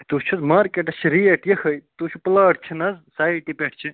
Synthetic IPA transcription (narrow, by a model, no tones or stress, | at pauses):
t̪ut͡ʃʰuzmaːɾkeʈɐsʰiɾieʈjɐkɐjt̪ut͡ʃʰuplaːʈʰt͡ʃʰinɐzsaːiʈipʲeʈʰt͡ʃʰi